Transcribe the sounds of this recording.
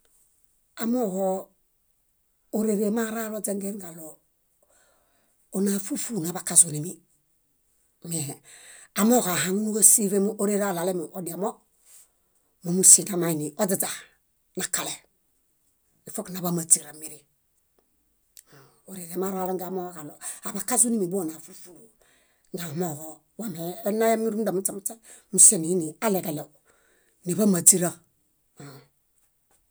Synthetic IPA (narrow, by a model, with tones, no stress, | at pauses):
a˨mo˦ho˦ | o˨ɾe˨ɾe˨ma˦ɾa˦lo˦d͡ʒe˦ŋɡe˦nɡa˨lo˨ | o˦na˨fu˦fu˨na˨ba˨ka˨su˨ni˨mi˦ | me˨ha˨mo˦ka˨ɦa˦ŋu˦u˦ka˦si˦fe˦mo˦ʔo˦ɾe˦ɾa˦˨la˨le˦mo˨ʔo˨di˨a˨mo˦ | mo˨mu˦si˨ŋɡa˨ma˨i˨ni˨ʔo˦di˨da˨ | na˨ka˨le˨ | i˨fo˦kna˨ba˦ma˨t͡si˨ɾa˨mi˨˦ɾi˦˨ | o˨ɾe˨ɾe˨ma˦ɾa˦lo˦ŋɡa˨mo˦ka˨lo˨a˨ba˨ka˦su˦ni˦mi˨bo˦˨na˨fu˦fu˦˨ɾu˨ | ŋɡa˨mo˦˨ | wa˦˨me˨˦na˦ja˦mi˦ɾu˦m˦da˨mu˦t͡sa˨mu˦ta˦mu˨se˦˨ni˨˦ni˨a˦le˨ɡa˨le˨ | ni˨ba˦ma˨t͡si˦ɾa˦˨